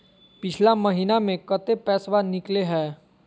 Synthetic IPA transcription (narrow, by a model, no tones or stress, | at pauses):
pɪt͡ʃʰlamɐɦiːnamẽkət̪epɛːsʋanɪkleɦɛː